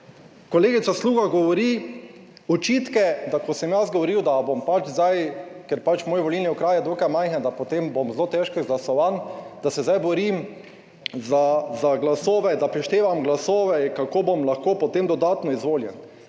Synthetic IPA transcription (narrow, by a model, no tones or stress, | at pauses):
kɔleːɡitsasluːɡaɡɔʋɔɾi | ɔt͡ʃiːt̪kɛd̪akɔsɛmjazɡɔʋɔɾiwd̪abompat͡ʃzd̪ajkɛɾpat͡ʃmoːjʋɔlilniɔkɾaːjɛd̪oːkajmajxnɛd̪apot̪embomzloːt̪ɛʃkɛɡlasɔʋand̪̥asɛzajbɔɾim | zazaɡlasoːʋɛd̪apɾɛʃt̪eːʋamɡlasoːʋɛikakobomlaxkoːpɔt̪emd̪ɔd̪aːt̪nɔizʋoːljɛn